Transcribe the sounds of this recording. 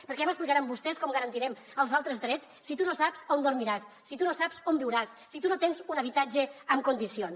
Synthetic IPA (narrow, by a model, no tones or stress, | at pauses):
pəɾkɛməsplikaɾambust̪ɛskɔmɡəɾənt̪iɾɛm | əlˠzalˠt̪ɾəzd̪ɾɛt͡ss | sit̪unosapzond̪uɾmiɾasːit̪unosapz̥ombiwɾasːit̪unot̪enzunəβ̞it̪ad͡ʒəəmkund̪isions